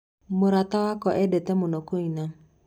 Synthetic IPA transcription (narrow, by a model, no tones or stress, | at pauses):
moɾatawakɔʔɛdɛtɛmʊnɔkoina